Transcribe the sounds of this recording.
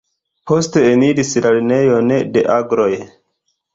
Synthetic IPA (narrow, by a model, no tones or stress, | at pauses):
po̞ste̞ːniɾislaline̞jo̞ne̞de̞ʔaɡɾo̞j